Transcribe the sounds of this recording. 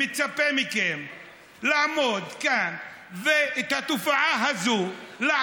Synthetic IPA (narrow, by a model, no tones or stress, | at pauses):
it͡sapɛmikɛm | laʕmɔd̪kanvɛt̪at̪ufaʕaɦazula